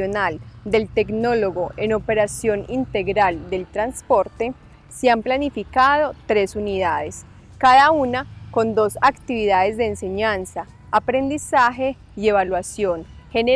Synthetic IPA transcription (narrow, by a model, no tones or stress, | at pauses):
onald̪e̞lt̪e̞kno̞lo̞ɣoe̞no̞pe̞ɾasjo̞nint̪e̞ɣɾald̪e̞lt̪ɾanspo̞ɾt̪e̞ | seamplanifikaðo̞t̪ɾe̞suniðaðe̞s | kaðaunako̞nd̪o̞sakt̪iβiðaðe̞zd̪e̞ːnse̞ɲansaː | pɾe̞nd̪isaxe̞ | ie̞β̞alwasjo̞nhene